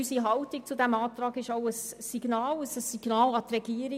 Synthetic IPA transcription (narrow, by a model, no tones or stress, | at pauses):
ysiɦɑltɪk̚t͡sudæmɑːt̪ɾɑːɡɪʃaʊəsː | iɡ̥nɑːləsəsiɡ̥nɑːlɑt̪rɛɡ̥iːəɾ